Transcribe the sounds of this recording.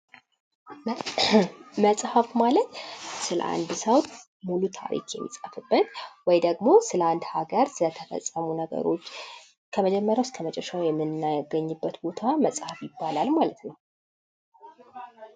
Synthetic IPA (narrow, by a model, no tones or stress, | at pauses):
məsʼhəfmalət̪sɨlə̰ʔa̰nd̪səwt̪ | mulut̪ʰa̰ɾḭkjɛmːisʼəfɨbːət̪wɔjd̪əɡmo̞sɨləand̪haɡəɾsɨlət̪ʰəfə̰sʼːəmunəɡə̰ɾo̞̰t͡ʃː | kʰəməd͡ʒɛmːəɾjawskʰəmət͡ʃʼɛʃawjɛmːɨnajɡəɲːɨbːət̪bo̞t̪ʰaməsʼhafjɪbːalalmalət̪nəw